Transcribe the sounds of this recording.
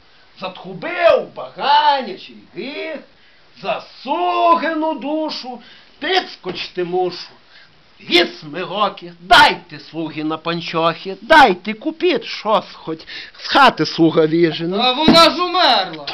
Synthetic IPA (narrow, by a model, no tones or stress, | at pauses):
zɐt̪xʊbɪwbɐɣɑnʲɐt͡ʃilʲɣɪx | zɐsuɣenʊd̪uʃʊ | pʲit̪skɔt͡ʃt̪ɪmuʃʊ̥ | ʋʲismeɦɔkʲɪd̪ɑjt̪ɪslˠuɦʲinɐpɐnʲt͡ʃɔxʲid̪ɑjt̪ɪkʊpʲit̪ʲʃɔsxɔtʲsxɑt̪ɪslˠuɣɐʋʲiʒenɐʋɔnɑzʊmɛrlˠɐ